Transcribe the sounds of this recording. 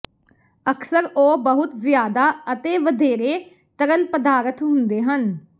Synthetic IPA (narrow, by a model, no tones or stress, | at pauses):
əksəɾoːbəɦʊt̪zɪjaːd̪aːət̪eːʋəd̪ʱeːɾeː | t̪əɾəlpəd̪aːɾət̪ɦʊ̃nd̪eːɦən